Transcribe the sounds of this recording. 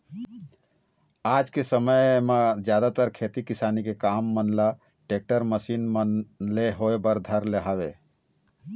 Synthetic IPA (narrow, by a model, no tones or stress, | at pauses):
ad͡ʒkesəməjmed͡ʒjad̪at̪əɾkʰet̪ikisanikekamːənla | ʈek̚ʈəɾməsinmənleɦoebəɾd̪ʱəɾleɦabe